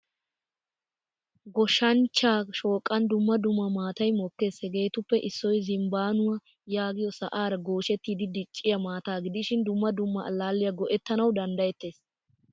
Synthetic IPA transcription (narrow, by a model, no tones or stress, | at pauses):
ɡɔʃɐnt͡ʃːaːʃo̞ːkʼːɐnd̪ʊmːɐd̪ʊmːɐmaːt̪ɐjmɔkːe̞ːsɛɡe̞ːt̪ʊpːɛʔɪsːɔjzɪmbaːnʊwɐ | jaːɡɪjɔsɐʔaːɾɐɡo̞ːʃɛt̪ːiːd̪ɪd̪ɪt͡ʃʼːɪjɐmaːt̪aːɡɪd̪ɪʃɪnd̪ʊmːɐd̪ʊmːɐɐ̰lːaːlːɪjɐɡɔʔɛt̪ːɐnɐwd̪ɐnd̪ɐjɛt̪ːe̞ːs